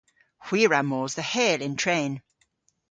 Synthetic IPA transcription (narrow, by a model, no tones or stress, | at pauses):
hw̥iːɹamɔːzðəhɛːlɪ̃ntʰɹ̥ẽːn